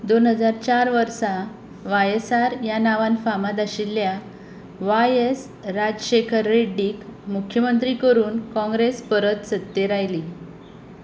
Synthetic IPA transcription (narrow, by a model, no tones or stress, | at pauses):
d̪onɦəd͡zaɾt͡ɕaɾʋəɾsa | ʋajesaɾjanaʋanfamad̪aɕilːja | ʋajes | ɾad͡ʑɕekʰəɾːeɖiːkmukʰjəmənt̪ɾikəɾuːnkɔ̃ŋɡɾespəɾət̪sət̪ːeɾajli